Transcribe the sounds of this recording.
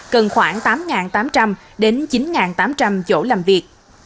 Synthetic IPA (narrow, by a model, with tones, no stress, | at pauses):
kə˨˩nxwaː˧˩ŋt̪aː˨˦mŋaː˨˩nt̪aː˨˦mt͡ɕa˧m | ɗe˨˦nt͡ɕi˨˦nŋaː˨˩nt̪aː˨˦mt͡ɕa˧mt͡ɕo̰˧˩laː˨˩mvi˨˩ək̚